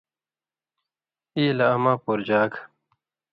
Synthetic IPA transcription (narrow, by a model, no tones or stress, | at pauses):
iːlaːmaːpoɾd͡ʑaːk